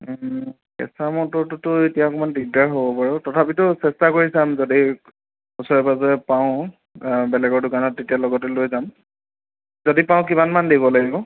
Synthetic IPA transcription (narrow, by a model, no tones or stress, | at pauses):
kɛ̰samɔtɔɹtʊtʊetijakɔmanbiɡ̚daɹɦobɔpaɹʊtɔtʰapitʊsɛstakoɹisamzodi | usɔɹɛbazɔɛpaʊ̃ | bɛlɛɡɔɹdʊkanɔtːetijalɔɡɔtɛlojzam | zodipãʊ̃k̬imanmandibɔlaɡibɔ